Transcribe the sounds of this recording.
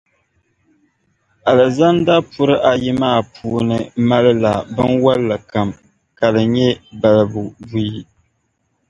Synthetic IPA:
a˨lɨ˨za˦n˦da˦pʊ˦ɾɨ˦ʔa˨ji˦maː˦˨pʰuː˦nɨ˦˨ma˦lɨ˦la˨bɨ˦nwa˦lːɨ˨ka˨m | ka˨dɨ˨ɲɛ˦ba˨lɨ˨bu˨bu˦ji˦

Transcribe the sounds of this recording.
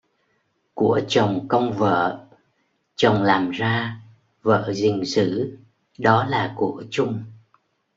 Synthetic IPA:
ku˧˩ət͡ɕə˨˩wŋ͡mkə˧wŋ͡mvə̰ː˧˨ | t͡ɕə˨˩wŋ͡mlaː˨˩mzaː˧ | və̰ː˧˨zï˨˩ŋ̟sɨ̰˧˥ | ɗɔ˨˦laː˨˩ku˧˩ət͡ɕʊ˧ŋ͡m

